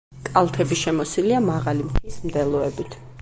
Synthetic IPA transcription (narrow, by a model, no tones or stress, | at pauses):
kʼalˠt̪ʰɛbiʃɛmɔsiliamaʁalimt̪ʰismd̪ɛlˠɔɛbit̪ʰ